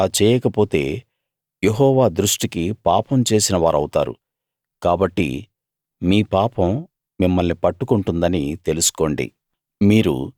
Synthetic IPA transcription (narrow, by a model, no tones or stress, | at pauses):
aːt͡ʃɛːjɛːkɐpo̞ːt̪e̞ː | jeɦɔːʋaːd̪ɾuʂʈikipaːpɐmt͡ʃe̞ːsinɐʋaːɾɐ̰wut̪a̰ːɾṵ | kaːbɐʈːḭ | miːpaːpɐm | mimːɐlnipɐʈːukuɳʈund̪ɐnit̪e̞lusu̥ko̞ːɳɖḭ | miːɾṵ